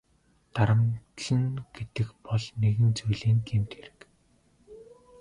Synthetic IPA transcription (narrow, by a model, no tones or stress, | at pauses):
t̪aɾə̆mt̪ɮə̆nɡ̥et̪ɘ̆kpɔɮneɣɘ̆nt͡sujɮeːŋɡemt̪xeɾɘ̆k